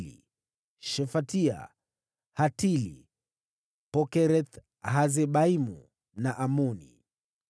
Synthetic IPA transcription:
lḭ | ʃɛfatia̰ | hatilḭ | pɔkɛɾɛt̪ | ɦazɛɓaimu | naʔamunḭ

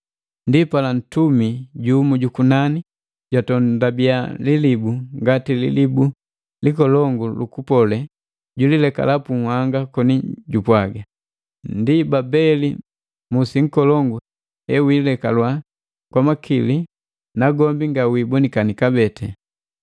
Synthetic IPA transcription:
ndipalan̩tumiɟumuɟukunani | ɟatɔndabialilibuŋɡatilḭlibu | likɔlɔŋɡulukupɔlɛ | ɟulilɛka̰lapuŋhwaŋɡakɔniɟupwaɡa | ndibabɛli | musiŋ̩kɔlɔŋɡu | ɛwilɛkalwa | kwamakili | naɡɔmbiŋɡawiːbɔnikanikabɛtɛ

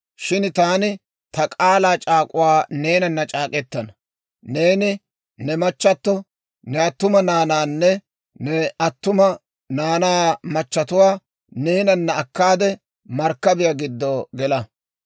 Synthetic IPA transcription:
ʃɪnt̪aːnɪ | t̪ɐkʼaːlaːt͡ʃʼaːkʼʊwaːneːnɐnːɐt͡ʃʼaːkʼɛt̪ːɐnɐ | ne̞ːnɪ | nɛmɐt͡ʃːɐt̪ːɔ | nɛɐt̪ːʊmɐnaːnaːnːɛ | nɛɐt̪ːʊmɐ | naːnaːmɐt͡ʃːɐt̪ʊwaː | ne̞ːnɐnːɐːkːaːd̪ɛ | mɐɾkːɐbɪjɐɡɪd̪ːoːɡɛlɐ

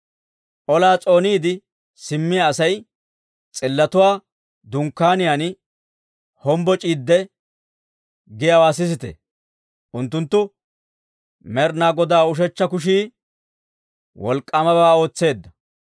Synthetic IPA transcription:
ʔɔlaːt͡sʼo̞ːniːd̪ɪ | sɪmːɪjaːsɐj | t͡sʼɪlːɐt̪ʊwaː | d̪ʊŋkːaːnɪjaːnɪ | hɔmbɔt͡ʃʼiːd̪ːɛ | ɡɪjɐwaːsɪs̬ɪt̪ɛ̰ | ʔʊnt̪ːʊnt̪ːʊ | mɛɾnaːɡɔd̪aːʊʃ̬ɛt͡ʃːɐkʊʃ̬iː | wɔ̰lkʼːɐmɐbaːo̞ːt͡sːe̞ːd̪ːɐ

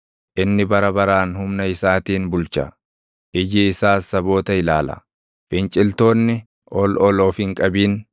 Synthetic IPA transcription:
ʔɪnːɪbɐɾɐbɐɾaːnhʊmnɐɪsaːt̪iːnbʊlt͡ʃɐ̰ | ʔɪd͡ʒiɪsaːsːɐbo̞ːt̪ɐɪlaːlɐ̰ | fɪnt͡ʃʼɪlt̪o̞ːnːɪ | ʔɔlɔloːfɪŋkʼɐbiːn

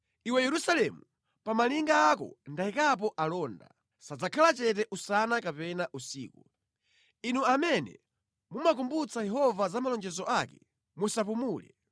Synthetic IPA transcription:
iwɛjɛɾusalɛmu | pamaliŋɡaːkɔ̰ndaikap̬ɔʔalɔːnda̰ | sad͡zakʰalat͡ʃɛt̬ɛʔusanakapɛnaʔusḭːku | inuamɛnɛ̰ | mumak̬umbut͡sajɛɦɔvazamalɔnd͡ʒɛzɔʔakɛ̰ | musapumuːlɛ̰

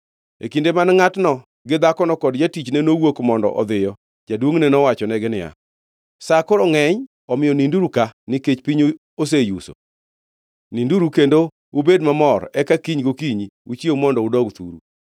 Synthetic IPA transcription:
ḛkindemanŋatnɔ | ɡɪd̪akɔnɔkɔdd͡ʒatit͡ʃnɛnowokmɔndɔ̰ʔɔ̰d̪ɪjɔ | d͡ʒadwoŋnɛnɔwat͡ʃɔnɛɡɪnɪja̰ | sakoɾɔŋɛɲ | ɔmɪjɔninduɾukanɪket͡ʃpiɲo | os̬ejuso̰ | ninduɾukendo | ubedmamɔɾɛkakiɲɡokiɲiut͡ʃiemɔndɔʊdɔɡt̪ṵɾṵ

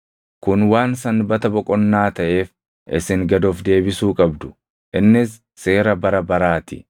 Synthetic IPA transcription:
kʊnwaːnsɐnbɐt̪ɐbɔkʼɔnːaːt̪ɐʔe̞ːf | ʔɪ̰sɪŋɡɐd̪oːfd̪e̞ːbɪsuːkʼɐbd̪ʊ̥ | ʔɪnːɪsː | e̞ːɾɐbɐɾɐbɐɾaːt̪ɪ

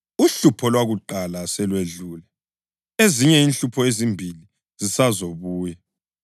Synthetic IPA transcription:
uɬupʰɔlwaɣuǃalasɛlweɮuːlɛ | eziɲɛinɬupʰɔezimbʱili | zisazoβuːjɛ

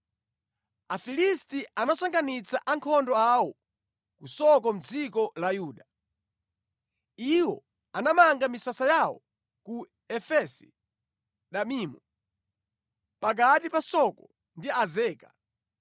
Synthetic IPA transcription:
afilistiʔanasaŋɡanit͡saʔaŋkʰɔndɔawɔ | kusɔkɔm̩d͡zikɔlajuːɗa | iwɔ | anamaŋɡamisasajawɔ̰ | ku | ɛfɛsi̥ | ɗamiːmɔ | pak̬atipasɔkɔ | ndiazɛːka

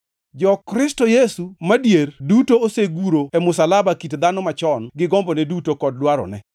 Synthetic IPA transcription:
d͡ʒɔkɾɪstojesumadjerdutooseɡuɾoemʊsalabakitd̪anɔmat͡ʃɔnɡɪɡɔmbonɛdutokɔd̚dwaɾɔ̰nɛ

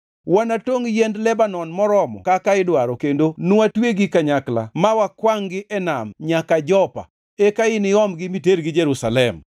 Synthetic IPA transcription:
wanatoŋjendlɛbanɔnmɔɾɔmɔ̰kakaɪdwaɾɔkendonuwatweɡikaɲakla̰mawakwaŋɡɪʔɛna̰mɲakad͡ʒɔpa̰ | ekaɪnɪɔmɡɪmiteɾɡɪd͡ʒeɾusalɛm

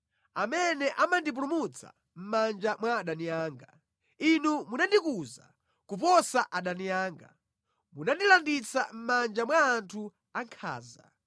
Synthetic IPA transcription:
amɛnɛʔamandip̬ulumut͡sa̰ | m̩mand͡ʒamwaɗanijaːŋɡa | inumunandikuza̰ | kupɔsaʔaɗanijaːŋɡa | munandilandit͡sa̰m̩mand͡ʒamwaːntʰu | aŋkʰa̰ːza̰

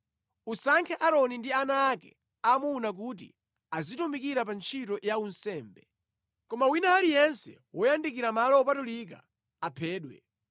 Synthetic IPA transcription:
usaŋkʰɛʔaɾɔnindianaːkɛ̰ | amunak̬ut̬ḭ | azitumikiɾap̬ant͡ʃʰitɔjaunsɛːmbɛ | kɔmawinaːlijɛnsɛ̰ | wɔjandikiɾamalɔːpatulik̬a̰ | apʰɛːɗwɛ̰

